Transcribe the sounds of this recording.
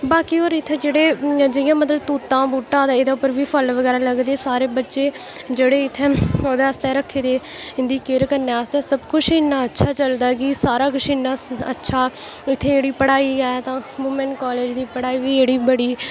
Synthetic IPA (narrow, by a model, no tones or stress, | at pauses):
baːkiːoːɾɪt̪ʰːeːd͡ʒeːɽeːd͡ʒəjãːmət̪ləbt̪uːt̪ãːbuːʈːãːd̪ːed̪aːʊpːəɾʋiːpʰəlʋəɡɛːɾaːləɡd̪eːsaːɾeːbətːʃeː | d͡ʒeːɽeːɪt̪ʰːeːoːd̪eːəst̪ɛːɾəkʰːeːd̪eːɪnd̪iːkeːɾkəɾneːaːst̪ɛ̃ːsəbkʊt͡ʃʰɪnːaːətːʃʰaːt͡ʃəld̪aːɡɪsaːɾaːkʊʃʰɪnːaːə̰tːʃʰaːɪt̪ʰːeːeːɽiːpəɽaːiːɡaːt̪ãːʋʊmenkɔːleːd͡ʒd̪iːpəɽaːiːʋiːeːɽiːbəɽiː